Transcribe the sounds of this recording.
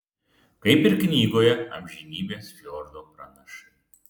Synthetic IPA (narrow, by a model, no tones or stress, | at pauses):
kɐɪpɪɾknʲiːɡoːjɛɐ̰mʲʒʲinʲiːbʲeːsfʲlʲoːɾd̪oːpɾɐnɐʃɐ